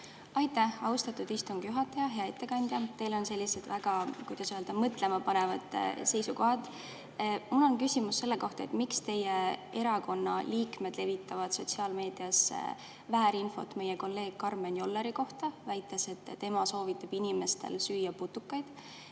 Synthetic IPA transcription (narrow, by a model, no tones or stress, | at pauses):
ɑjt̪ːæhɑwst̪ɑt̪ːud̪̥ist̪uŋɡ̥juɦɑt̪ːˑɑjɑɦe̞ɑe̞t̪ːe̞kɑnʲd̪̥jɑt̪e̞jlo̞nse̞lʲːise̞d̪væɡ̥ɑkujd̪̥ɑsyeld̪ɑmɤt̪ːˑle̞mɑpɑnevɑd̪̥se̞jsuko̞ɦɑt̪ˑ | mulːo̞nkysʲimusːe̞lːe̞ko̞ht̪ɑet̪mikst̪e̞jee̞ɾɑko̞nːɑliːkme̞d̪̥le̞vit̪ˑːɑvɑd̪̥so̞t̪ʲsiɑːlme̞ːd̪̥iɑs | væːɾinfo̞̰t̪me̞jeko̞lːe̞ːɡ̥̚kɑrmenjo̞lːeɾiko̞ht̪ɑvæjt̪ːˑe̞se̞t̪ˑːe̞mɑso̞ːvit̪ːˑɑb̥inʲime̞st̪e̞̰lsyːjɑput̪ːˑukːˑɑjd̪̥